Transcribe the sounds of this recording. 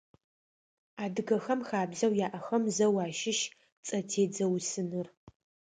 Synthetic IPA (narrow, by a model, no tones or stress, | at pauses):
aːdɨɣɐxɐmxaːbzɐwjaːʔɐxɐmzɐwaːʃɪʃ | t͡sʼɐtʰeːd͡zɐwsɨnɨr